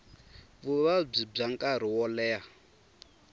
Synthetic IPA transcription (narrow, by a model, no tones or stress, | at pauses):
βuβab͡ʐib͡ʐaŋkʼaɾ̤iwɔlɛːa